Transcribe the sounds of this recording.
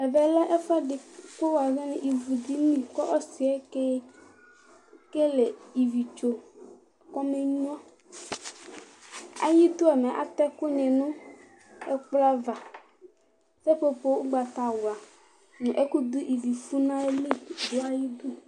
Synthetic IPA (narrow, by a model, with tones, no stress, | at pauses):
ɛ˨vɛ˨lɛ˦ʔe˦fa˦ɖe˨ko˦wa˨ve˦nẽ˨ʔi˨vu˨d̪i˦mĩ˦˨kɔ˦ʔɔ˦si˨e˦ke˦ | ke˦le˨i˨vi˨t͡ʃo˨ | kɔ˦me˦ɲ˦ɔ̃˦ | a̰˨ji˦t̪o˦ɛ˨mẽ˨ʔa̰˨t̪ɛ˦ko˦ɲẽ˨nũ˦ | e˦k͡pla˦va˨ | se˦po˦ɸo˦wo˦ɡ͡ba˨t̪a˨wwa˨ | nẽ˨ʔe˦ku˦d̪u˦ʔi˨vi˨fu˦nã˦e˦li˦d̪o˦a˦ji˦d̪u˦